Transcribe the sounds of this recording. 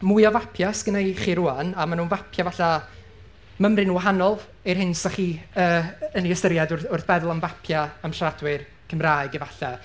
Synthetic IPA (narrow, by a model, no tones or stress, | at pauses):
mʊɨɔvapʰjasɡ̥ənejχiːɾuanamanũːnvapʰjavaɬa | məmrɨnwaɦanɔlˠ | irhɪnsaχiːəːəniɔstəɾjadʊrθbɛðʊlˠamvapʰjaamʃadwɪr | kʰəmraːɨɡəvaɬa